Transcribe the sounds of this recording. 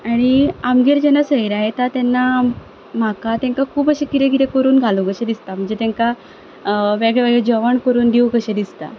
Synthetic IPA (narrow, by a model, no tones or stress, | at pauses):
aɽ̃iamɡiɾd͡ʑɛnasəɦiɾaɦet̪at̪ɛnːa | m̤akat̪ẽŋkakʰuːbəɕekiɾeɡiɾekəɾuːnɡʱalokəɕed̪ist̪am̤əɳd͡zet̪ẽŋka | ʋeɡɭɛʋɛɡɭed͡ʑəʋəɳkəɾuːnd̪iwkəɕed̪ist̪a̰